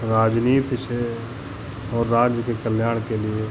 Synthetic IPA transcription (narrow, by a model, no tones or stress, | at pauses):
ɾaːd͡ʒniːt̪se | ɔːɾːaːd͡ʒjəkekəljaːɽ̃kelɪe